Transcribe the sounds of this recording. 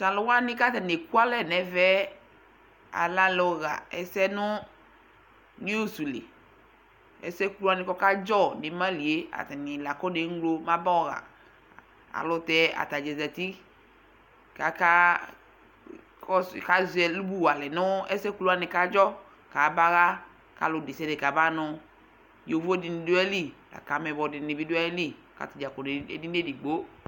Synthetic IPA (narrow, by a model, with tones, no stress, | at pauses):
sã˨lo˨wa˦nĩ˦ka˦t̪a˨ne˨ku˦a˦lɛ˨nɛ̃˨vɛ˦ | a̰˨la˦lɔ˨ɣa̰˨ɛ˨sɛ˦nʊ̃˦ | nĩ˦o˦su˨lḛ˨ | ɛ̰˨˦sɛ˦klu˦a˨nĩ˨kɔ˦ka˦d͡ʒɔ˦˨ne˨mã˦li˨e˦a̰˨t̪a˨nĩ˨la˨kɔ˦ne˨˦ŋ̩˦ɡlo˦mã˦ba˦ɔ˨ɣa̰˨ | a̰˨lʊ˨t̪ɛ˦a̰˨t̪a˨d͡ʒɛ˨zɛ˨t̪i˦ | ka˨ka˦ | kɔ˦˨ka˦zɛ˨lu˦bu˦wa˨lɛ˨nʊ̃˦ɛ˦sɛ˦ku˦lu˦a˨nɪ˨ka˦d͡ʒɔ˦ | ka˨ba˦ɣa˦ | ka̰˨lʊ˨de˨sɛ˦de˨ka˨ba˦nɔ˨ | jo˨vo˦di˨ni˨do˦ɛ˦li˦la̰˨ka˨mɛ˨bɔ˨dɪ˨nɪ˨bi˦do˦ɛ˦li˦ | ka̰˨t̪i˨d͡ʒa˨kɔ˨n˨ḛ˨di˦e˦di˨ɡ͡bo˦